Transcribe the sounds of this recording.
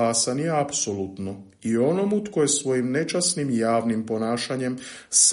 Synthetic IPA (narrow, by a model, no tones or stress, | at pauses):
asanjeapsolut̪no | io̞nomut̪kojesʋo̞jimne̞t͡ʃasnimjaːʋnimpo̞naːʃaɲe̞ms